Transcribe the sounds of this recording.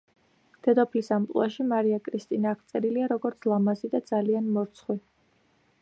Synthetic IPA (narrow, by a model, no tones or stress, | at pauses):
d̪̥ɛd̪ɔpʰlisampʼlṵaʃimaɾiakʼɾist̪ʼinaːʁt̪sʼɛɾiliaɾɔɡɔɾt̪sʰlˠamazid̪ad̪zalianmɔɾt̪sʰχwi